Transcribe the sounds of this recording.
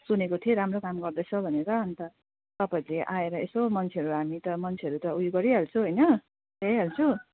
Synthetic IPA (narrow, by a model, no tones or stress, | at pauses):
sunekot̪ʰijeɾamrokamɡʌrd̪ʌt͡sʰʌbʱʌneɾʌːnt̪ʌ | t̪ʌpaileʔaeɾʌesomʌnt͡sʰeʌɾuɦamit̪ʌmʌnt͡sʰeʌɾut̪ʌujɡʌɾiɦalt͡sʰuɦʌjnʌ | tejɦalt͡sʰu